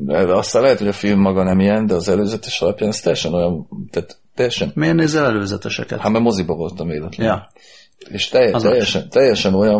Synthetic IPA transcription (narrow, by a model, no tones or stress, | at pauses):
ɛ̰ɒst̪anlɛɦɛt̪ho̞ɟɒfilmːɒɡɒnɛmijɛnd̪ɛɒzɛløːzɛt̪ɛʃɒlɒpjaːnɛst̪ɛjɛʃɛno̞jɒnt̪aːt̪t̪ːɛjɛʃɛnmeːɾneːzɛlɛløːzɛt̪ɛʃɛkɛ̰t̪hamɛmo̞zibɒvo̞lt̪ɒmveːd̪ɛt̪lɛj | eːʃt̪ɛjɛt̪ɛjːɛʃɛnt̪ɛjːɛʃɛno̞jɒn